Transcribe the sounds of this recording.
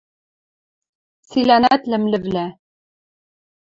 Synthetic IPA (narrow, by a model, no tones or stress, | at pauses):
silænæt̪lɘ̆mlɘ̆vlæ